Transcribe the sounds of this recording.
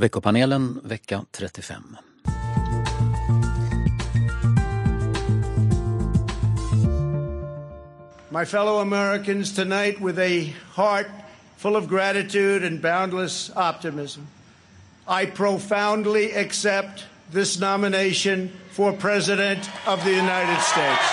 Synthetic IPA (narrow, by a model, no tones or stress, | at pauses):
vɛkːʊpʰaneːlənvɛkːat̪ʰɾɛt̪ːɪfɛ̰mː | maɪfɛlˠoʊəmɛɹɨkɨ̃nz̥tʰɨnaɪt̚wɨðɨhɑɹt̚ | fʊlˠʌvɡɹæɾɨtʰʉɾɨ̃nbãʊ̃ndˡləsɑp̚tɨmɪz̃m | aɪpʰɹ̥oʊfãʊ̃ndˡliɨksɛp̚t̪̚ | ðɪsnɑmɨneɪʃɨ̃nfə˞pʰɹ̥ɛzɨɾɨ̃ntʌvðɨjʉnaɪɾɨd̥steɪts